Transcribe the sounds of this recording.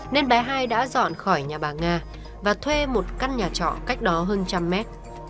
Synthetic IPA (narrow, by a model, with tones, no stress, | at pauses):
ne˧nɓa˨˦ɦaː˧jɗa̰ː˧˥zɔ̰˧˨nxɔ˧˩jɲaː˨˩ɓaː˨˩ŋaː˧˩ | vaː˨˩t̪ʰwe˧mo˨˩t̚ka˧nɲaː˨˩t͡ɕɔ̰˧˨ka˦˥jk̟̚ɗɔ˨˦ɦəː˧nt͡ɕa˧mːɛ˦˥t̚